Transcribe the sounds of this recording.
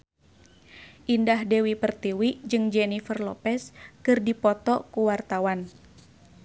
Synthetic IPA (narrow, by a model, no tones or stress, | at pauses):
ʔindahdɛwipərt̪iwiʔd͡ʒɨŋd͡ʒɛnifərlɔpɛskɨrdipɔt̪ɔkuwart̪awan